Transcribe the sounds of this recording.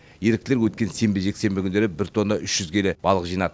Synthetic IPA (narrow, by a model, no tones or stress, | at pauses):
je̞ɾɪk̚t̪ɪleɾwɵt̪̚kʲe̞nse̞mbɪʒe̞kse̞mbɪkʲʰʏnd̪eɾɪbɪɾt̪ʰo̞nd̪ɑʔʏʃʒ̥ʏzkʲʰe̞le̞b̥ɑlˠəqʒijnɑd̪ə